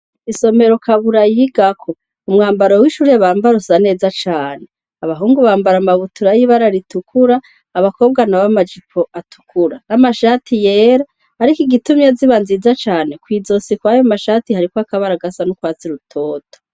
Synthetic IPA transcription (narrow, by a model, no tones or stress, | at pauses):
iso̞me̞ɾo̞kʰaβuɾajiɡakʰo̞ | umŋaːmbaɾowiʃuɾeβaːmbaɾusane̞ːzat͡ʃaːne | aβaɦuːŋɡuβaːmbaɾamaβutuɾajiβaɾaɾitukʰuɾaː | βako̞ːbɡanaβamad͡ʒipʰo̞ʔatʰu̥kʰuɾanamaʃatʰije̞ːɾaː | ɾikiɡitumjaziβanzizat͡ʃaːne̞kwiːzo̞sikwaːjomaʃaːtihaɾikoakaβaɾaɡasanukwaːt͡siɾutʰo̞ːto̥